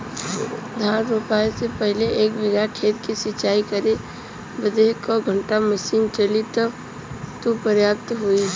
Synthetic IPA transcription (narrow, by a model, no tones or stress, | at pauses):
d̪ʱaːɾɾʊpaesepəɦleeːkbɪɡakʰeːt̪kisɪt͡ʃaːikəɾe | bəd̪eɦkɔɡʱəɳʈaməsiːnt͡ʃelit̪ə | t̪opəɾjaːp̚t̪ɦoi